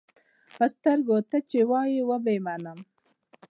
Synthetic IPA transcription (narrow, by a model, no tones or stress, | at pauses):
pəst̪əɾɡot̪at͡ʃewɑjiwəbemanəm